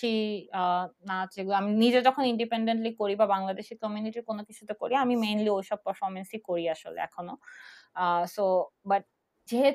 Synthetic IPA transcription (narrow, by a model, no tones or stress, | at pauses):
i | naeɡulaminid͡ʑed͡ʑɔkʰoniɳɖipeɳɖeɳʈlikoɾibabaŋlad̪eʃikɔmiuniʈiɾkonokit͡ɕʰut̪eko̰ɾiamimejnliojʃɔb̚pəɾfɔɾmensikoɾiaʃo̰lḛɛ̰kʰono | sobaʈ̚ | d͡ʑeɦe